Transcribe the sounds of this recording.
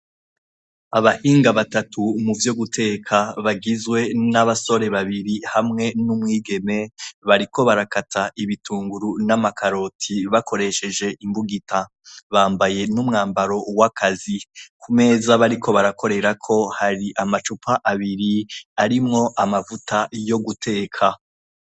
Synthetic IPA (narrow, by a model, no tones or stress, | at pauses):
aβahiːŋɡaβatatumuvjo̞ɡutʰe̞ːkʰaβaɡizwe̞naβaso̞ɾe̞βaβiɾihamŋe̞numŋiːɡe̞me̞βaɾiko̞βaɾakatʰaʔiβitʰuːŋɡuɾunamakʰaɾo̞tʰiβakʰo̞ɾe̞ʃe̞d͡ʒe̞ʔimbuɡita | βaːmbaje̞numŋaːmbaɾo̞wakʰazikʰume̞zaβaɾikʰo̞βaɾakʰo̞ɾe̞ɾakʰo̞haɾiʔamat͡ʃupʰaʔaβiɾiaɾimŋo̞ʔamavutʰajo̞ɡutʰe̞ːkʰa